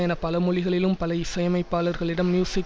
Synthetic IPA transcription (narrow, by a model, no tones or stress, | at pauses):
ɛnɐpɐlɐmʊɻɪɣɐɭɪlɯmpɐlɐɪsɐjɐmɐɪpːaːlɐɾɣɐɭɪɽɐmnjuːsɪk